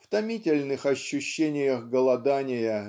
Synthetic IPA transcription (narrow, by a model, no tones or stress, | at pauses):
ft̪ɐmʲitʲɪlʲnɨxɐɕːʊɕːenʲɪjəɣɡəlˠɐd̪anʲɪjə